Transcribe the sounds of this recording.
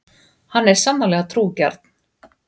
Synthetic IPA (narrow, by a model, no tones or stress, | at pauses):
hanːɛɾ̥samːalɛːɣat̪ʰɾuːca̰ɾt̪n̥